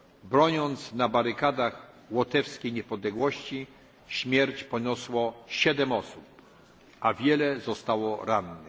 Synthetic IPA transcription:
bɾɔɲɔnt̪snabaɾɘkad̪ax | wɔt̪ɛfskʲejɲɛpɔd̪lɛɡwɔɕt͡ɕi | ɕmʲjɛɾt͡ɕpɔɲɔswɔɕɛd̪ɛmɔsup̚ | ʔavʲjɛlɛzɔst̪awɔɾanːɛ

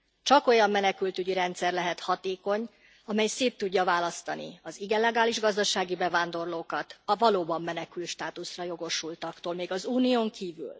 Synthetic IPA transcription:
t͡ʃɒko̞jɒmːɛnɛkylt̪yɟiɾɛnt̪sɛrlɛɦɛt̪hɒt̪eːko̞ɲ | ɒmɛjseːt̪ːuɟːɒvaːlɒst̪ɒnḭɒziɡɛlɛɡaːliʒɡɒzd̪ɒʃaːɡibɛvaːnd̪o̞rloːkɒt̪ɒvɒloːbɒmːɛnɛkylt̪ʃt̪aːt̪usrɒjo̞ɡo̞ʃult̪ɒkt̪oːlmeːɡɒzuːnijoːŋkʰiːvy̰l

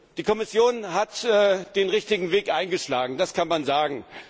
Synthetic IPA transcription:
d̥iːkʰɔmɪsjoːnɦatɛːd̥eːnʁɪçtɪɡŋ̩veːkʔaɪnɡəʃlaːɡŋ̩daskʰanmanzaːɡŋ̩

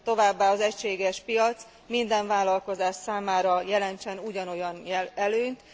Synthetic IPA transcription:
t̪o̞vaːbːaːɒzɛcʃeːɡɛʃpijɒt̪s | mind̪ɛɱvaːlɒlko̞zaːʃsaːmaːɾɒjɛlɛnt͡ʃɛnuɟɒno̞jɒnɛløːɲt̪

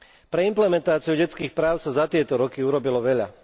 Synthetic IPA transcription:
pɾɛimplɛmɛnt̪aːt͡siuɟɛt͡skiːxpɾaːʊsazat̪ɪɛt̪ɔɾɔkiuɾɔbilɔʋɛʎa̰

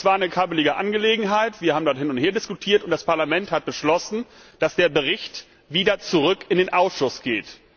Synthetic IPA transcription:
sv̥aːɐnəkʰabəlɪɡəʔanɡəleːɡŋ̩ɦaɪtv̥iːɐhaːbm̩dɔɐthɪnʊntheːɐdɪskutʰiːɐtʊntd̥aspaɐlamɛnthat̚b̥əʃlɔsn̩ | d̥asd̥eːɐbəʁɪçt | viːdɐt͡suʁʏkɪndeːnʔaʊsʃʊsɡ̥eːt

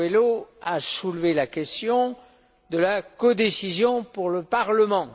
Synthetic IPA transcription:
eloasulvelakʲɛst̪jɔ̃ | d̪əlakɔd̪esizjɔ̃puʁləpaʁləmɑ̃

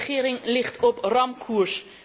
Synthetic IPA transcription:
χiəɾɪŋlɪχtʰɔprɑmkʰuərs

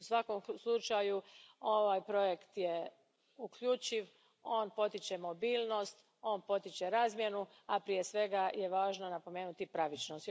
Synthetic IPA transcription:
usʋako̞mslˠut͡ʃajuo̞ʋajpɾo̞je̞kt̪je | ukʎuːt͡ɕiʋ | o̞ːnpo̞t̪it͡ɕe̞mo̞biːlˠno̞st̪ | o̞ːnpo̞t̪it͡ɕe̞ɾaːzmje̞nu | apɾije̞sʋe̞ɡaje̞ʋaːʒno̞napo̞me̞ːnut̪ipɾaʋit͡ʃnost̪

